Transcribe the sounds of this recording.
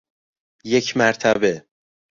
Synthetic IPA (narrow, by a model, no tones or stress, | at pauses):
jekʰmæɾt̪ʰæbe